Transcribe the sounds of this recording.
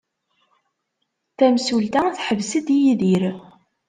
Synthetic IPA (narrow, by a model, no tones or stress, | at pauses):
θæmsult̪æθħəvsəd̪ijiðiɾ